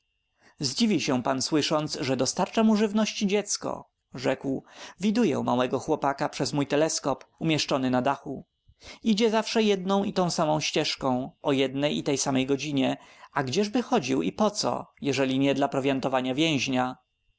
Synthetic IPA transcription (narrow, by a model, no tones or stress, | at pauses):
zd͡ʑivʲiɕɛ̃panswɘʂɔnt̪sʐɛd̪ɔst̪aɾt͡ʂamuʐɘvnɔɕt͡ɕid͡ʑɛt̪skɔ̰ | ʐɛkwvʲid̪ujɛ̰ma̰wɛɡɔxwɔpakapʂɛzmujt̪ɛlɛskɔpumʲjɛʂt͡ʂɔnɘnad̪axu | id͡ʑɛzafʂɛjɛd̪nɔ̃w̃it̪ɔ̃w̃samɔ̃w̃ɕt͡ɕɛʂkɔ̃w̃ʔɔjɛd̪nɛjit̪ɛjsamɛjɡɔd͡ʑiɲɛaɡd͡ʑɛʐbɘxɔd͡ʑiwḭpɔt̪sɔ̰jɛʐɛlʲiɲɛd̪lapɾɔvʲjɛnt̪ɔvaɲavʲjɛ̃w̃ʑɲa